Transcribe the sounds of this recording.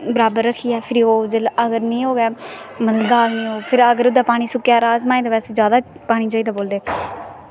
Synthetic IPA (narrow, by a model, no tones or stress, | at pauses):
bəɾaːbəɾːəkʰiːɛːpʰɪɾiːoːd͡ʒələɡəɾnĩːɦoːɡɛːməld̪aːlnĩːɦoːpʰɪɾəɡəɾʊd̪aːpaːɽ̃ĩːsʊkːjaːɾaːzmãːeːd̪eʋɛːseːd͡ʒjaːd̪aːpaːɽ̃ĩːd͡ʒoːiːd̪aːboːld̪eː